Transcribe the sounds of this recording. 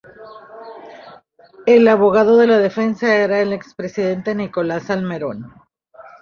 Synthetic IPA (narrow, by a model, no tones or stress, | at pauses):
e̞laβo̞ɣaðo̞ðe̞laðe̞fe̞nsaeɾaele̞kspɾe̞siðe̞nt̪e̞niko̞lasalme̞ɾo̞n